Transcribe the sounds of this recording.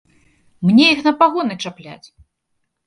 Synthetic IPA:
mnʲɛjixnɐpaɣɔnɨt͡ʂaplʲa̰t͡sʲ

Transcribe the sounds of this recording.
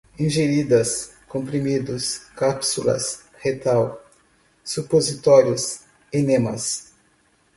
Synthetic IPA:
ĩʒeɾid̪ɐs | kõmpɾimid̪ʊskapsulɐ̰s | het̪aw | supozit̪ɔɾjʊs | enẽmɐs

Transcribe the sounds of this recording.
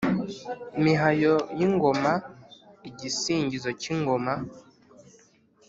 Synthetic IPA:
miɦajojiŋɡomaiɟisiːɲɟizociŋɡoma

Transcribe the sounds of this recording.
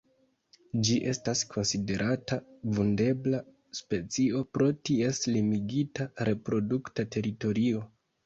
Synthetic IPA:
d͡ʒiʔe̞staskʰo̞nside̞ɾʔatavunde̞bla | spe̞t͡sio̞pɾo̞tie̞slimiɡitaɾe̞pɾo̞duktate̞ɾito̞ɾio̞

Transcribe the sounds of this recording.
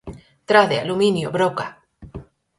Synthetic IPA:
t̪ɾaðealumĩnjoβɾoka

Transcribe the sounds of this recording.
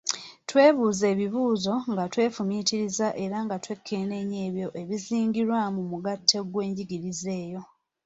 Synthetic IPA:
twe̞ːβuːze̞ːβiβuːzo̞ŋɡatwe̞ːfumiːtiɾizaʔe̞ɾaŋɡatwe̞kʰːe̞ːne̞ɲe̞ːβjo̞ʔe̞βiziːŋɡiɾwamumuɡatʰːe̞ɡwe̞ːɲɟiɡiɾize̞ːjo̞

